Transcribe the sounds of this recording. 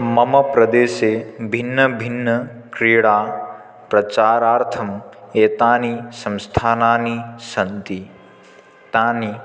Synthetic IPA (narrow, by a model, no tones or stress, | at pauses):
mɐmɐpɾɐd̪eːseːbʱinːɐbʱinːɐkɾiːɽaː | pɾɐt͡ʃaːɾaːɾt̪ʰɐmeːt̪aːnisɐ̃mst̪ʰaːnaːnisɐnt̪i | t̪aːni